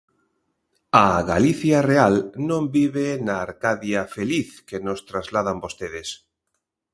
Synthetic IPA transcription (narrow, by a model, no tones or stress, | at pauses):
aɣaliθjarealnõmbiβenaːɾkaðjafeliθkenost̪ɾazlaðambost̪eðes